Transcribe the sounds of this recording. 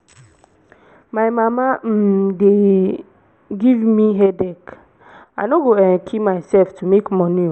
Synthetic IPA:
majmamam̩de | ɡivmiɦɛdɛk | anoɡoɛkʰimajsɛlftumekmɔnio

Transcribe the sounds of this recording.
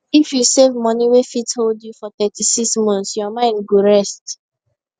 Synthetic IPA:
ifjusevmɔniwefitholdjufɔθɛtisiksmɔ̃nθsjɔmãɪ̃ndɡoɹɛst

